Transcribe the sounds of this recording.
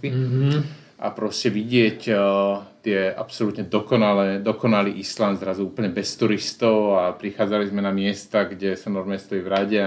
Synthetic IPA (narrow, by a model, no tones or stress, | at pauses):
pi | ʔa̰pɾɔscɛʋiɟɪɛc | t̪ɪɛʔa̰psɔlut̪ɲɛd̪ɔkɔnalɛːd̪ɔkɔnaliːʔislanzɾazuuːpəɲɛbɛst̪uɾist̪ɔʊapɾixaːd͡zalizmɛnamɪɛst̪aɡɟɛsanɔɾmɛst̪ɔivɾaɟɛ